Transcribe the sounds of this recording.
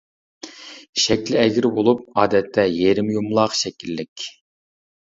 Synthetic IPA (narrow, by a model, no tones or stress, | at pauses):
ʃɛkʲlɪɛɡʲɪɾbolˠup̚ɑːd̪ɛt̪ʰːɛjeɾɪmjumlˠɑːqʃɛkʲilːɪkʲ